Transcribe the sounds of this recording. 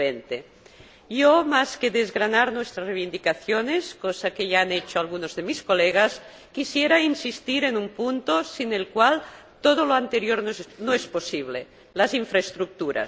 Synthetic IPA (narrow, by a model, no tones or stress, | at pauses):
ent̪e | jomaskeðezɣɾanaɾnwest̪ɾasreβind̪ikaθjoneskosakeʎaanet͡ʃoalɣ̞unozðemiskoleɣ̞as | kisjeɾainsist̪iɾenumpunt̪osinelkwal | t̪oð̞oloant̪eɾjoɾnonoesposiβ̞le | laziɱfɾaest̪ɾuk̚t̪uɾa̰